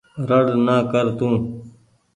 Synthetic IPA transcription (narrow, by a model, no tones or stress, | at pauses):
ɾəɽnaːkəɾt̪ũː